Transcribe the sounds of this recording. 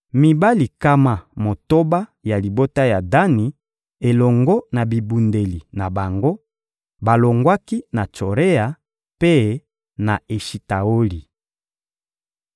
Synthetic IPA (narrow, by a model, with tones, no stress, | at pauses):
mi˨ba˦li˨ka˦ma˦mo˨to˦ba˦ja˨li˨bo˦ta˦ja˨da˦ni˨ | e˨lɔ˨ŋɡɔ˦na˨bi˨bu˨nde˨li˨na˨ba˨ŋɡo˦ | ba˨lo˨ŋɡwa˦ki˦na˨t͡ʃo˨ʁe˦a˨ | pe˦ | na˨e˨ʃi˨ta˨o˦li˨